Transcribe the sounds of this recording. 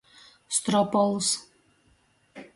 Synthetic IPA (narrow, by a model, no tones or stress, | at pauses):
st̪rɔpɔlˠs